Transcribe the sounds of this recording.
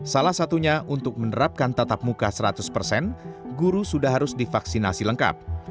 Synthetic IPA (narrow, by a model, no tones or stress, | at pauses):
salahsat̪uɲaʔunt̪ʊk̚mənəɾap̚kant̪at̪ap̚mukasəɾat̪ʊspərsɛnɡuɾusudahɦaɾʊsdifaksina̰siləŋka̰p̚